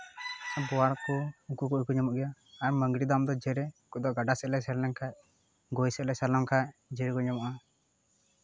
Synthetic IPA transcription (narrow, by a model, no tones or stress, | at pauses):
sabɔwaɾkuukukuʔukuɲɔmɔʔɡɛjaːɾməŋɡɾid̪amd̪ɔd͡ʒɛɾɛkud̪ɔʔɡaɖasɛʔlɛsɛɾnɛŋkʰaʔ | ɡojsɛʔlɛsalɔmkʰaʔd͡ʒɛɾɛkuɲɔmɔʔa